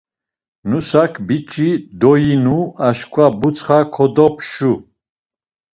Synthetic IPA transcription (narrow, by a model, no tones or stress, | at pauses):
nusakʰbit͡ʃʼid̪ɔjinuaʃkʷʰʼwabut͡sʰχakʰɔd̪ɔpʰʃu